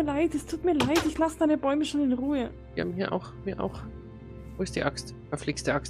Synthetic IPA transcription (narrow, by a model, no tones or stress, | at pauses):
laɪtɛstʰuːtmiːɐlaɪtɪçlasəd̥aɪnəbɔʏməʃoːnɪnʁuːə | iha̰bmhiːɐʔa̰ʊxmiːɐʔa̰ʊx | voːɪstd̥iːʔakst | ɐfliksd̥iʔakst